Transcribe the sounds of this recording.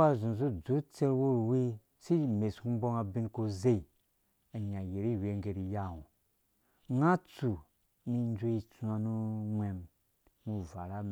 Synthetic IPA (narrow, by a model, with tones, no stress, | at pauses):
a˦˨zũ˨n˨zu˦d͡zu˨˦t͡se˦ɾwo˦ɾwi˦ | si˦˨me˨sku˦bo˦ŋa˧bi˦nko˧ze˦i˨ | a˨ɲa˨je˨ɾi˦˨we˨˦ŋɡe˨ɾi˨ja˦˨wu˨ | ŋa˦t͡su˨ | mi˧n˦d͡ʒu˦i˦t͡su˧a˨nu˦mʷe˨m | mu˦va˨ɾa˦